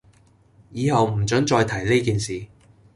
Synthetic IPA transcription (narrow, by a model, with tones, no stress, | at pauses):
jiː˨˧hɐ˨wm̩˨˩t͡sɵ˨˥ŋt͡ʃɔː˧jt̪ʰɐ˨˩jle˥jkiː˨nsiː˨